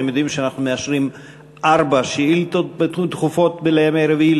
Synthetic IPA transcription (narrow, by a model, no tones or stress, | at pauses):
emjoduimʃeanaχnumeaʃʁim | ʔaʁbaʃeilt̪ot̪bet̪t̪χufo̞t̪beleemeɾevil